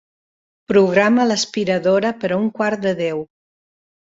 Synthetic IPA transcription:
pɾuɣɾamələspiɾəðoɾəpəɾauŋkwaɾt̪d̪əðɛw

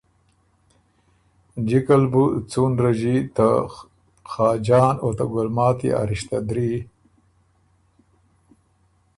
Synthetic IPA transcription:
d͡ʒikalbut͡sunɾaʑit̪a | xɑːd͡ʒɑːnot̪aɡʊlmɑːt̪ḭa̰ɾiʃt̪ad̪ɾi

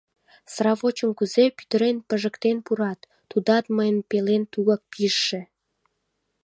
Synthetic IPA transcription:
srɑβot͡ɕəmkuzepy̥t̪əɾenpəʒə̆kt̪enpuɾɑt̪ːud̪ɑt̪məjənpelent̪uɣɑk̚piəʃːe

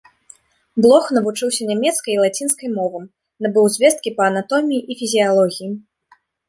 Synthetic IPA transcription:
blˠɔxnɐvut͡ʂɨwsʲɐnʲamʲɛt̪skɐjilˠat͡sʲinskɐjmɔvɨm | nabɨwzʲvʲɛst̪kʲipɐːnat̪ɔmʲijiʔifʲizʲialˠɔɣʲiji

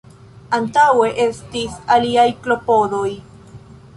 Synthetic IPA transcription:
antawe̞ʔe̞stisaliajklo̞po̞do̞j

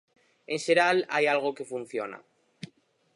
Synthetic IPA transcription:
e̞nʃeɾala̰jalɣ̞oke̞fun̟θjo̞na̰

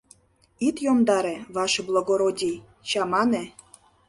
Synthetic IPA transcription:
it̪jomd̪ɑɾeβɑʃɤblˠoɡoɾodʲij | t͡ɕɑmɑnĕ

